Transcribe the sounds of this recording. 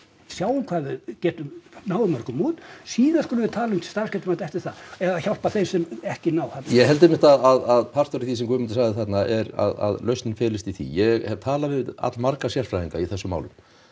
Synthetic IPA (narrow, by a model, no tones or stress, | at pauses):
sjaːwʏmkʰvaːðʏðcɛːt̪ʏmnaːwðʏmœɾ̥kʏmuːt̪siːðaskɔːlɪvɪt̪ʰaːlʏŋt̪ɪ̥st̪aɾ̥scɛːt̪ʏmat̪ɛhft̪ɪɾ̥θaɛɣaçawl̥paθejsɛmɛhcɪnawθat̪najɛɣɦɛlt̪ɪmːɪht̪aðaðaðpʰar̥st̪ɔɾiθisɛmkʰvʏːmɪnt̪ɪsaːɣðɪθat̪naɛɾa̰ða̰ðlœɥst̪nɪnfɪːlɪst̪iθḭjɛɣhɛvt̪ʰaːlavɪða̰t̪lmaɾkasjal̥fɾajiŋkaiθɛsːʏma̰wlʏ̰m